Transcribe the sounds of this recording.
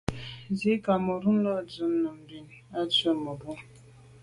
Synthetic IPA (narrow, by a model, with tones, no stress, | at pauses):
zi˦ka˨mə˨ɾu˦n˦lɔ˦d͡zə˨˦mnə˨m̩˨bi˨n | a˦t͡sə˦˨mə˨ɾu˦ŋ